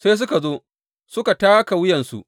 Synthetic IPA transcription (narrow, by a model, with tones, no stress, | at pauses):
seː˦s̬ʊ˦ka˨zoː˦ | sʊ˦ka˨taː˦ka˨wʊ˦jɛ˨nsṵ˨ʔ